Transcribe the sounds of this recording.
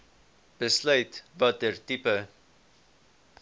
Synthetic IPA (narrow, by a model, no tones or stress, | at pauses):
b̥əslœɥtvɐt̚dərtipə